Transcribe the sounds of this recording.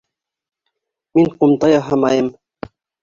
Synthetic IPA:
miŋqʊmt̪ɑjɑɦɑmɑjəm

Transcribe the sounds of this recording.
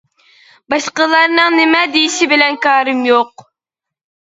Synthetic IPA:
bɑʃqəlˠɑɾnɨŋnɪmɛd̪ejiʃibɪlɛnkɑːɾɨmjoq̚

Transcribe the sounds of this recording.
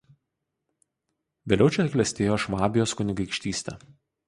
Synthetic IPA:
ʋʲeːlʲɛʊt͡ʃʲɛkʲlʲɛsʲt̪ʲeːjoːʃmɑːbʲɪjoːskʊnʲɪɡɐɪkʃʲt̪ʲiːsʲt̪ʲɛ̰

